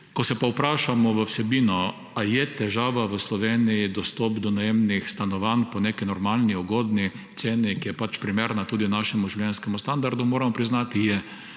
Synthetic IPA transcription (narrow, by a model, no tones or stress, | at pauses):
kɔsɛpaʊpɾaːʃamɔʋəwsɛbiːnɔ | ajɛt̪ɛʒaːʋaʋəslɔʋeːnijid̪ɔst̪ɔpd̪ɔnajemnixst̪anɔʋanpɔnekinɔɾmalniɔɡod̪ni | t̪seːnikijɛpat͡ʃpɾimeɾnat̪uːd̪inaːʃɛmuʒiwlʲjɛnskɛmust̪and̪aɾd̪umoːɾamɔpɾiznat̪ijɛ